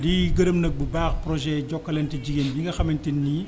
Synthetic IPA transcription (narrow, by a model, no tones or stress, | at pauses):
diɡɐɾəmnɐk̚bəbaːxpɾɔʒɛɟɔkːɐlɛntɐɟiɡendiŋɡɐxɐmintinːi